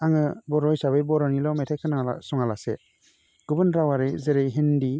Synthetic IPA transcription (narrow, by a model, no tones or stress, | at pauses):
aŋɯbɔɾɔjsaβɯjbɔɾɔnilɔmetʰekʰɯna̰sɔŋalasɛ | ɡ̥ubɯnɾawaɾɯjzeɾejɦindi